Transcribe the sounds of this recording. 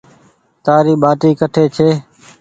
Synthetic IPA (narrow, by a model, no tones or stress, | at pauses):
t̪aːɾiːɓaːʈiːkəʈʰeːt͡ʃʰeː